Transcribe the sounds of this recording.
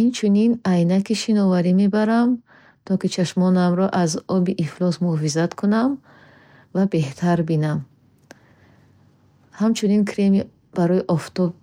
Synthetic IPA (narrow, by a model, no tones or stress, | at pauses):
int͡ʃʰuninajnakiʃinɔvaɾime̞baɾam | t̪ʰɔkit͡ʃʰaʃmɔnamɾɔʔazɔbiʔiflɔsmuhɔfizat̪kʰunam | vabe̞ht̪ʰaɾbinam | hamt͡ʃʰuninkʰɾemi | b̥aɾɔiʔɔft̪ɔb̚